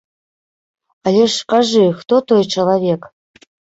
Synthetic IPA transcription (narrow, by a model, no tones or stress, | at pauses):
alʲeʂqɑʐɨxt̪ot̪ojt͡ʃəlˠavʲek